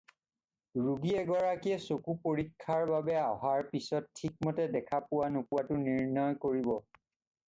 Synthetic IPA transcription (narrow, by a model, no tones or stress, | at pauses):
ɹuɡiɛɡɔɹakiɛsokupoɹikʰːaɹbabɛaɦaɹpisɔttʰːik̚mɔtɛdɛkʰapʊwanupʊwatʊniɹnɔjkoɹibɔ